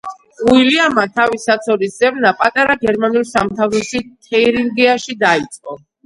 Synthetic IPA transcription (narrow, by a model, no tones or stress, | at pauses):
uiliamat̪ʰavisat̪sʰɔɾisdzɛvnapʼat̪ʼaɾaɡɛɾmanulˠsamt̪ʰavɾɔsit̪ʰɛiɾiŋɡiaʃid̪ait̪sʼqʼɔ